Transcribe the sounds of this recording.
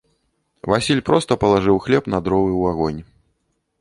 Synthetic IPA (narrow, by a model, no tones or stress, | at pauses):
vasʲilʲpɾɔst̪ɐpɐlˠaʐɨwxlʲɛpnɐd̪ɾɔvɨwaɣɔnʲ